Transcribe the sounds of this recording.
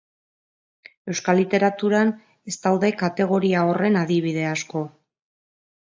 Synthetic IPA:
e̞wskalit̪e̞ɾat̪uɾan | e̞st̪awðe̞kat̪e̞ɣ̞o̞ɾiao̞re̞naðiβ̞iðe̞asko̞

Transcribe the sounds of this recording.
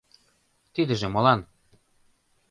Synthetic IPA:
t̪id̪ɘ̆ʒĕmɤ̆lɑn

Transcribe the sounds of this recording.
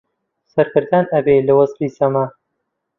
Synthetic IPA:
sɐɾkɨɾd̪aːnɐbeːlɐwɐzfisɐmɐ

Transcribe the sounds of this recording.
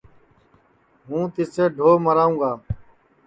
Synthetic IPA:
ɦũːt̪ɪseːɖʱoːməɾaːũːɡaː

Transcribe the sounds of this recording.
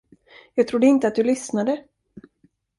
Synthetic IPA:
jɑːɡ̚t̪ʰɾʊd̪ːəɪnt̪əat̪̚d̪ɵlʏsnad̪ə

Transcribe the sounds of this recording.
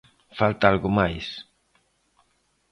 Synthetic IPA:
falt̪aalɣʊmajs

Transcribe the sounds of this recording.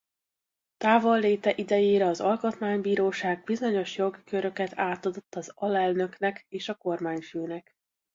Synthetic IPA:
t̪aːvolːeːt̪ɛʔid̪ɛjeːɾɛɒzɒlko̞t̪maːɲbiːɾoːʃaːɡ̚bizo̞ɲo̞ʃjo̞ɡikøɾø̞kɛt̪ʰaːt̪ɒd̪o̞t̪ːɒzɒlɛlnø̞knɛkeːʃɒko̞rmaːɲføːnɛk

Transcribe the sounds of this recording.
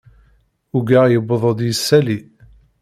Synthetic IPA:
uɡaʁjəbðˤəd̪jəsːæli

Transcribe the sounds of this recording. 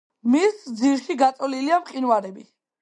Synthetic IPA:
misd̪ziɾʃiɡat̪sʼɔliliamqʼinwaɾɛbi

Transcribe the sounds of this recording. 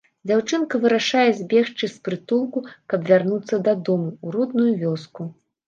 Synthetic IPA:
d͡zʲawt͡ʂɨnkɐvɨɾaʂajɛzʲbʲɛʂt͡ʂɨsʲpɾɨt̪ulˠkukɐbvʲarnut̪sːɐd̪ad̪ɔmuːɾɔd̪̚nujuvʲɔsku

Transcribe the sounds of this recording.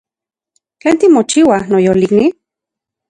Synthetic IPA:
keːnt̪imot͡ʃiwanojolikni

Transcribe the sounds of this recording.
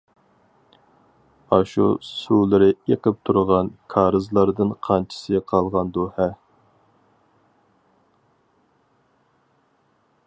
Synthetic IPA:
ɑʃṵsulˠɨɾɨeqəp̚t̪ʰuɾʁɑnkʰɑːɾɨzlˠɑɾd̪ɨnqʰɑnt͡ʃʰi̥sɨqʰɑlˠʁɑnd̪uhɛ

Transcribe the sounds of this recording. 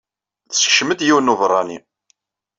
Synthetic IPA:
θsʃmət̪jiwənːuvɾˤːɑni

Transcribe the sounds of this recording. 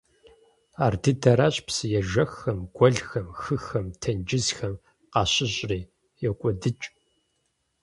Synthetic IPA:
aːrdʰɨdʰɐɾaːɕʼpsɨjɛʒɐxɐmɡ̥ʷɔɮxɐmxɨxɐmtʰɐnd͡ʒɪzxɐm | qɑːɕɪɕʼriː | jɛkʷʼɔdɨt͡ʃʼ

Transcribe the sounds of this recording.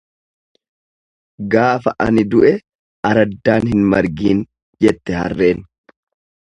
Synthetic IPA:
ɡaːfɐʔɐ̰nɪd̪ʊʔɛ | ɐɾɐd̪ːaːnɦɪnmɐɾɡiːn | d͡ʒɛt̪ːɛhɐ̰rːe̞ːn

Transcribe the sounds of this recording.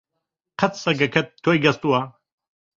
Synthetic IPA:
qʰɐt̪sɐɡɐkʰɐt̪̚t̪ʰːojɡɐst̪uwa

